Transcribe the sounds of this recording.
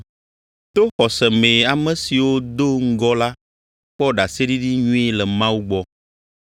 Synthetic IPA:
t̪o˦xɔ˨sɛ˨mẽ˨a˨mɛ̃˨si˨wo˦d̪o˦ŋ̩˦ɡɔ˦la˦ | k͡pɔ˦ɖa˨se˦ɖi˦ɖi˦ɲũ˦e˦lɛ˨mã˦wu˦ɡ͡bɔ˦

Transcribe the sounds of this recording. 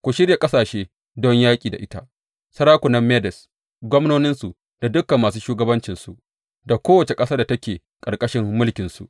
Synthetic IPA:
kʷo˨ʃɪ˦ɽja˨kʼɐ˦saː˨ʃeː˦ | dɔ˦ɲjaː˦kʲʼiː˨da̰˨ʔɪ˦ta̰˦ʔ | sɐ˦ɾaː˦kʷʊ˨nɐ˦mːe˦dɛ˨s | ɡʷɔ˦mnoː˦nɪ˦nsu˨ | d̥a˨dʊ˦kɐ˨mːaː˨s̬uː˦ʃuː˦ɡɐ˦bɐ˦nt͡ʃɪ˨nsṵ˨ʔ | da˨kʷoː˦wɐ˨t͡ʃe˨kʼɐ˦saː˦da˨tɐ˦kʲeː˨ | kʼɐ˨ɾkʼɐ˦ʃɪ˦mːʊ˦lkʲɪ˨nsṵ˨ʔ

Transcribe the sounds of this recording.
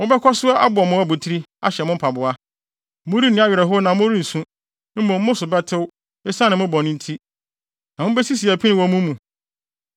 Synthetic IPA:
mʊ̃˦bɛ˦kʰɔ˦sʊ˦a˦ʔa˦bʊ˨ɔ˨mʊ̃˦æ˦˨bʊ˨tʰi˦ɾi˦a̰˦ɕɛ˨mʊ̃˦m̩˦pʰa˨bʊ˨a˦ | mʊ̃˦ɾi˦nɪ̃˦a˦ɥɪ˨ɾɛ˨ɦʊ˦nã˨mʊ̃˦ɾi˦n̩˨sũ˦ | mʊ̃˨m̩˦mʊ̃˦sʊ˨bɛ˦tʰɪ˦w | e˦sã˦nɪ̃˨mʊ̃˦bɔ˨nɪ̃˦n̩˦tʰi˦ | nã˨mʊ̃˦bɛ˦si˦si˨æ˨pʰi˦nɪ̃˨wɔ˨˦mũ˦mũ˨

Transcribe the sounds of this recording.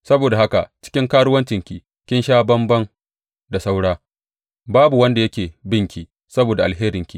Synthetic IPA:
sɐ˦boː˨da˨ha˦ka˨t͡ʃɪ̥˦kʲɪ˦ŋkaː˦ɽʊ˦wɐ˦nt͡ʃɪ˨ŋkʲi˨ | kʲɪ˦nʃaː˦bɐ˦mbɐ˦ŋ | da˨sa˦wɽaː˦ | baː˦bu˨wɐ˦nda˨jɐ˦kʲeː˨bɪ˦ŋkʲiː˨ | sɐ˦boː˨da˨ʔa˨lɦeː˦ɾɪ˨ŋkʲi˦

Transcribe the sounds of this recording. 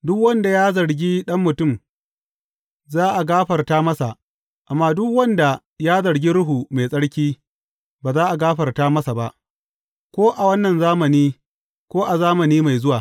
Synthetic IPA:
dʊ˦kwɐ˦nda˨jaː˦zɐ˨ɾɡʲi˦ɗɐ˦mːʊ˨tʊ˦˨m | zaː˦ʔa˨ɡaː˦ɸɐ˨rtaː˦mɐ˦sa˨ʔ | ʔa˨mːaː˦dʊ˦kwɐ˦nda˨ | jaː˦zɐ˨ɽɡʲi˦ɽʊ˦ɦu˨ma˨sʼɐ˦ɽkʲiː˦ | baː˨zaː˦ʔa˨ɡaː˦ɸɐ˨rtaː˦mɐ˦sa˨ba˦ʔ | kʷoː˦ʔa˨wɐ˦nːɐ˨nzaː˦mɐ˨niː˦ | kʷoː˦ʔa˨zaː˦mɐ˨niː˦ma˨jzʊ˦waː˨

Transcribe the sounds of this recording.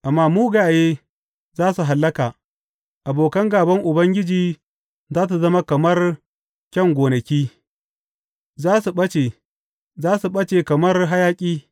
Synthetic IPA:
ʔa˨mːaː˦muː˦ɡaː˨jeː˦ | zaː˦su˨ɦa˨lːɐ˦kaː˨ | ʔa˨boː˨kɐ˦ŋɡaː˨bɐ˦ŋʔʊ˨bɐ˦ŋɡʲɪ˦d͡ʒiː˨ | zaː˦s̬u˨zɐ˦ma˦kɐ˨mɐ˦r | kʲɐ˦ŋɡʷoː˨nɐ˨kʲiː˦ | zaː˦su˨ɓɐ˦t͡ʃeː˨ | zaː˦su˨ɓɐ˦t͡ʃeː˨kɐ˨mɐ˦rɦa˦jaː˦kʲʼiː˦

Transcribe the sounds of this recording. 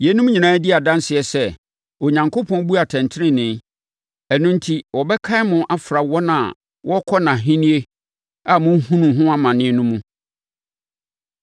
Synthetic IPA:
je˨˦nũ˦m˦ɲĩ˨nãː˨˦dɪ˦a˨dã˦n˦sɪ˨ɛ˨sɛ˦ | o˨ɲã˨ŋkʰʊ˦pʰɔ̃˦n˦bu˦a˨tʰɛ̃˨ntʰɪ˦nɪ̃˦nɪ̃˨˦ | ɛ˨nũ˦n˦tʰi˨wɔ˨bɛ˦kʰa˦ɪ˦mʊ̃˨ʔa˦fɾa˨wɔ˦nã̰˨ | wʔɔ˦kʰɔ˦nã˨ɦĩ˦nĩ˦e˦ | a˨mʊ̃˦hũ˦nũ˨ɦʊ̃˦a˦mã˨nɪ̃˦nũ˦mũ˦

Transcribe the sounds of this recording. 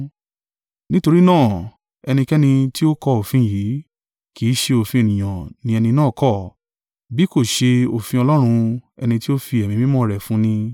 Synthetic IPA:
nĩ˦to˧ɾi˦nãː˦˨ | ɛ˧nĩ˧kɛ˦nĩ˧ti˦o˦kɔ˧o˨fĩ˧˦˨ji˨˦ | ki˨˦ʃe˧o˨fĩ˧e˨nĩ˨j̃ã˨nĩ˧˦ɛ˧nĩ˧nãː˦˨kɔ˦˨ | bi˨˦ko˦˨ʃe˧o˨fĩ˧ɔ˧lɔ˦ɾ̃ũ˧ɛ̰˧nĩ˧ti˦o˦fi˧ɛ˨mĩ˧mĩ˦mɔ̃˦˨ɾɛ˨fũ˦nĩ˧

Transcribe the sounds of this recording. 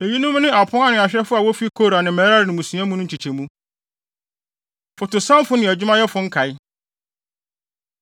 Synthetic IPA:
e˨ji˦nʊ̃˦m˦nɪ̃˦a˨pʰʊ̃˦a˦nʊ̃˨a˨ɕᶣɾɛ˦fʊ˦a˨wɔ˦fi˦kʰo˦˨ɾa˨nɪ̃˨mɛ˨˦ɾa˦ɾɪ˨nɪ̃˨mũ˨sũ˨˦æ̃˦mũ˦nʊ̃˦ɲ̩˨t͡ɕʰi˨t͡ɕʰe˨mũ˦ | fʊ˨tʊ˨sã˦m˦fʊ˦nɪ̃˨æ˨d͡ʑᶣʊ˦mã˦jɛ˦fʊ̃˨˦ŋ̩˦kʰa˨ɪ˦

